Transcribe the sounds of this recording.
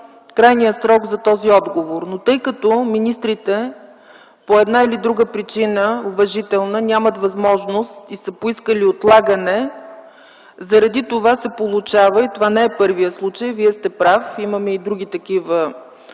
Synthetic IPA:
kɾajnijəsɾɔɡzɐt̪ɔziɔd̪ɡovoɾnot̪ɤjkɐt̪ɔminist̪ɾit̪ɛ | poɛd̪nailid̪ɾuɡəpɾit͡ʃinəʊvɐʒit̪ɛlˠnənʲamət̪vɐzmɔʒnost̪isəpoiskəliot̪lˠaɡənɛ | zɐɾɐd̪it̪ovasɛpolˠut͡ʃavəit̪ovanɛɛpɤɾvijəslˠut͡ʃəjviɛst̪ɛpɾafiməmɛid̪ɾuɡʲit̪ɐkivə

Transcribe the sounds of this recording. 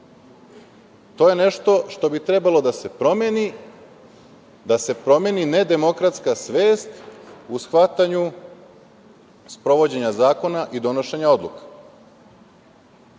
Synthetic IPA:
t̪o̞jene̞ʃt̪o̞ʃt̪o̞bit̪ɾebalo̞d̪ase̞pɾo̞meni | d̪ase̞pɾo̞meːnine̞d̪e̞mo̞kɾat̪skasʋe̞ːst̪usxʋat̪aɲu | spɾo̞ʋo̞d͡ʑe̞ɲazaːko̞naʔid̪o̞no̞ʃe̞ɲao̞d̪lˠukḁ

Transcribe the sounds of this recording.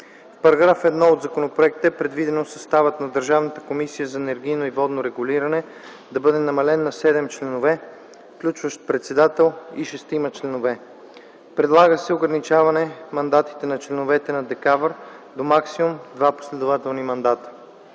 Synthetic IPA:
fpɐɾɐɡɾafɛd̪nɔod̪zɐkonopɾoɛk̚t̪əpɾɛd̪vid̪ɛnosɐst̪avət̪nɐd̪əɾʒavnət̪ə̥komisijəzɐɛnɛɾɡʲijnoivɔd̪noɾɛɡuliɾɐnɛ | d̪ɐbɤd̪ɛnɐmɐlɛnːɐsɛd̪ɛmt͡ʃlɛnovɛ | fklʲut͡ʃvəʃt̪̚pɾɛt̪sɛd̪at̪ɛlˠiʃɛst̪imɐt͡ʃlɛnovɛ | pɾɛd̪lˠaɡəsɛoɡɾɐnit͡ʃavɐnɛmɐnd̪at̪i̥t̪ɛnɐt͡ʃlɛnovɛt̪ɛnɐd̪ɛkavɾd̪omaksimumd̪vapo̥slɛd̪ovat̪ɛlˠnimɐnd̪at̪ə̥

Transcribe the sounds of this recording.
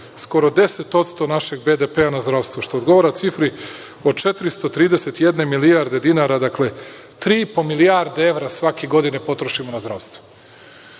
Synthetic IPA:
sko̞ɾod̪e̞set̪o̞t̪st̪o̞naʃe̞ɡ̚be̞d̪epeanazd̪ɾaʋst̪voʃt̪o̞oːd̪ɡo̞ʋoɾat̪sifɾi | o̞d̪̚t͡ʃe̞t̪ɾist̪o̞t̪ɾiːd̪ese̞t̪jed̪ne̞miliaɾd̪e̞d̪inaɾad̪akle̞ | t̪ɾiːipo̞milijaɾd̪ee̞ʋɾasʋakeɡo̞d̪inepo̞t̪ɾoʃimonazd̪ɾaːʋst̪ʋo̥

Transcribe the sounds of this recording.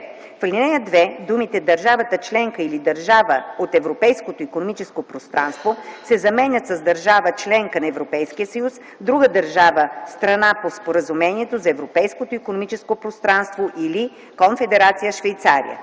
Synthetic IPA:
flʲinɛjəd̪vɛd̪umit̪ɛd̪ɐɾʒavət̪ət͡ʃlɛŋkəilid̪əɾʒavəot̪ɛvɾopɛjskot̪oikonomit͡ʃɛskopɾost̪ɾanst̪vosɛzɐmɛnʲət̪sɐzd̪ɐɾʒavət͡ʃlɛŋkənɐɛvɾopɛjskijəsəjus | d̪ɾuɡəd̪əɾʒavəst̪ɾɐnapospoɾəzumɛniɛt̪ozɐɛvɾopɛjskot̪oikonomit͡ʃɛskopɾost̪ɾanst̪voʔili | konfɛd̪ɛɾat̪sijəʃvɛjt̪saɾḭjə̰

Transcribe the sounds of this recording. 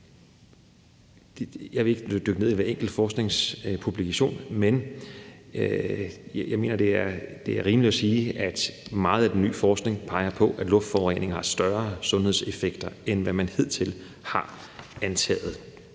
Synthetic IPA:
jɑ̈ɪʋe̝e̝ɡ̥ə̥d̥øɡ̥əne̝ð̰ˠiʋæɐeŋ̰ɡ̥l̩d̥fɒːsɡ̥ne̝ŋspʰub̥likʰæɕo̝̰ːnmen | jɑ̈ɪme̝̰ːnɐd̥e̝æɐd̥e̝æɐʁiːməlid̥ɒsiːæd̥mɑ̈ːð̞̩ˠæd̥enːy̰ːfɒːsɡ̥ne̝ŋpʰɑ̈ɪɐpʰɒ̽ʔæ̥lɔ̽fd̥fɒʊʁɛ̰ːne̝ŋhɑ̈sd̥ɶɐsɔ̽nhe̝̰se̝feɡ̥d̥ɐenʋæmænhe̝ð̞̰ˠt͡sʰe̝l | hɑ̈ | ænt͡sʰɛ̰ːð̩ˠ

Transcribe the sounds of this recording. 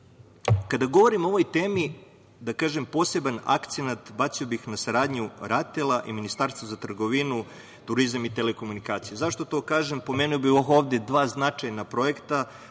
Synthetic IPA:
kad̪aɡo̞ʋo̞ɾimoo̞ʋo̞jt̪e̞ːmi | d̪akaːʒempo̞ːse̞bana̰kt̪senat̪bat̪sio̞bixnasaɾaːd̪ɲuɾat̪elˠaʔiminist̪aːɾst̪ʋozat̪r̩ɡoʋinu | t̪uɾizamit̪e̞leko̞munikaːt̪sijezaʃt̪o̞t̪o̞ːkaːʒempo̞menujobioxo̞ːʋd̪ʲed̪ʋaːznat͡ʃajnapɾo̞e̞kt̪a

